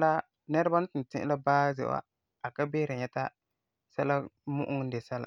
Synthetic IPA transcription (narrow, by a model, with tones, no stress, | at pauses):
la˦ | nɛ˦ɾa˦ba˦n˦tɪ˨n˨tɪ̰˦ʔla˦baː˦zɛ̰˨wa̰˦ | a˨ka˦beː˦ɾa˨ɲɛ˦ta˦ | sa˦la˦ | mʊ̰˦ʔʊ˦ŋ˦de˨sa˦la̰˨